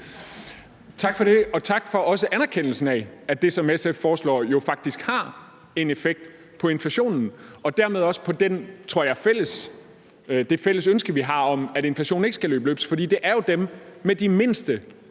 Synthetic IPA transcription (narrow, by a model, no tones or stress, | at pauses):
t͡sʰɑ̈ɡ̥fɒ̽ɾ̥e̝ɒ̽t͡sʰɑ̈ɡ̥fɒ̽ʔɒ̽səʔænæɐkʰen̰l̩sn̩ææd̥e̝sɒ̽meseffɒːslɒ̰ːjo̝fɑ̈ɡ̥̚d̥isɡ̥hɑ̈ | e̝nefeɡ̥̚d̥ | pʰɒ̽e̝nfæɕo̝̰ːnn̩ɒ̽d̥æɐ̰með̞ˠɒ̽sə̥pʰɒ̽d̥ent͡sʰʁo̝ɐ̰jɑɪfel̰əs | d̥e̝fel̰əsønsɡ̥əʋiɦɑ̈ɒ̽mæɾe̝nflæɕo̝̰ːn̩e̝ɡ̥əsɡ̥ælø̰ːb̥lø̰ːb̥sfɒ̽d̥ḭːd̥e̝ʔæɐjo̝d̥emːed̥ime̝n̰sd̥ə